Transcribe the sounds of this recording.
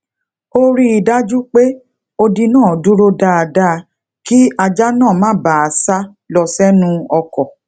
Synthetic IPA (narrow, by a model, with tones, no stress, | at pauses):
o˦ɾi˧i˨da˦d͡ʒu˦k͡pe˦ | o˧di˧nãː˦˨du˦ɾo˦da˧˦a˧da˦˧ | ki˦a˧d͡ʒa˦nãː˦˨mãː˦ba˨a˨sa˦ | lɔ˧sɛ˦nũ˦ɔ˧kɔ˨